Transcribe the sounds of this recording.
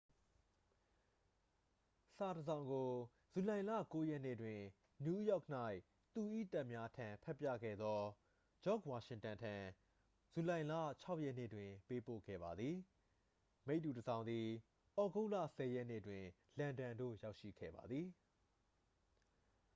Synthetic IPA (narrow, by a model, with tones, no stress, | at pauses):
sa˨təzã˨ʊ̃ŋɡo˨ | z̥u˨lã˨ɪ̃lä̰˦˨ko˦jɛ˦nḛ˦˨dwɪ̃˨ | nju˦jɔ˦k̚n̥a˦ɪ | t̪u˨ʔḭ˦˨ta˦ʔmja˦tʰã˨pʰɛ˦ʔpːjä̰˦˨ɡɛ̰˦˨d̪ɔ˦ | d͡ʑɔ˦˨kwa˨ʃɪ̃˨ntã˨ntʰã˨ | z̥u˨lã˨ɪ̃lä̰˦˨t͡ɕʰa˦ʊʔjɛ˦ʔnḛ˦˨dwɪ̃˨pe˦po̰˦˨ɡɛ̰˦˨ba˨d̪ði˨ | me˦ɪʔtːu˨təzã˨ʊ̃nd̪ði˨ | ʔɔ˨ɡo˦ʊlä̰˦˨sɛ˨jɛ˦ʔnḛ˦˨dwɪ̃˨ | lã˨ndã˨ndo̰˦˨ja˦ʊʔʃḭ˦˨ɡɛ̰˦˨ba̰˨d̪ði˨